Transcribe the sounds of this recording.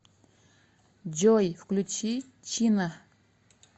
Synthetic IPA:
d͡ʑojhklut͡ɕʰi | t͡ɕʰina

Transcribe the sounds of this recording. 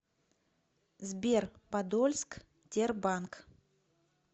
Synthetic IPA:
zbʲerpad̪olʲsk | t̪ʲerbaŋk

